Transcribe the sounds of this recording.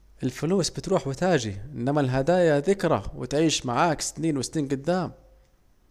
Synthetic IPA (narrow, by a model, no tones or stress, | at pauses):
ʔɪlfʊluːsbɪt̪ɾuːħwɪt̪aːd͡ʒiʔɪnːamalɦad̪aːjaðɪkɾˤa̰wɪ̰t̪ʕiːʃmaʕaːksɪ̥t̪niːnwɪsniːnɡʊd̪ːaːm